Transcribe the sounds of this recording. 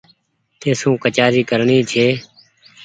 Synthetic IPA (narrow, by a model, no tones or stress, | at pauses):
t̪eːsũːkət͡ʃaːziːkəɾɳiːt͡ʃʰeː